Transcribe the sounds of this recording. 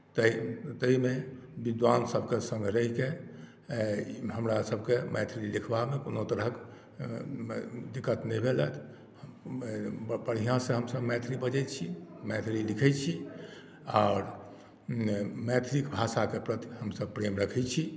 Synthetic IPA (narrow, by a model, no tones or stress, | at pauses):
t̪ət̪əimebid̪ʋansəbʱkesə̃ŋɡʱɾəɦike | ɦəmɾasəb̚ʱkemɛt̪ʰɾilikʰbamekonot̪əɾəɦk | d̪ikːət̪nɛibʱelɛt̪ʰ | hə | bəɽ̤ijãsẽɦəmsəbmɛt̪ʰɾibəd͡ʒɛjt̪t͡ʃʰimɛt̪ʰɾilikʰɛtt͡ʃʰi | aɾ | mɛt̪ʰɾikbʱasakepɾət̪i̥həmsəb̚pɾemɾəkʰɛt͡ʃʰi